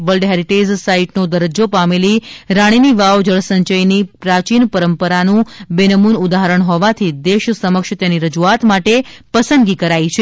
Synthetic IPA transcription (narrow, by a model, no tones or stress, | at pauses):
ʋəlɖɦɛɾiʈed͡ʒsaiʈnod̪əɾəd͡ʒopameliɾaɽ̃iniʋaʋd͡ʒəɭsəɲt͡ʃəjnipɾat͡ʃinpəɾəmpəɾanũbenəmunud̪aɦəɾəɳ̃ɦɔʋat̪ʰid̪eʃsəməkʃt̪eniɾəd͡ʒuat̪maʈepəsənd̪ɡikəɾait͡ʃʰe